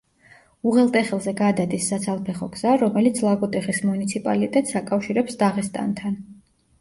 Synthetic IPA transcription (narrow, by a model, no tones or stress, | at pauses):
uʁɛlˠt̪ʼɛχɛlˠzɛɡad̪ad̪isːat̪sʰalˠpʰɛχɔɡz̥aɾɔmɛlit̪sʰlˠaɡɔt̪ʼɛχismunit̪sʰipʼa̰lit̪ʼɛt̪ʼsakʼafʃiɾɛpsd̪aʁɛst̪ʼa̰nt̪ʰan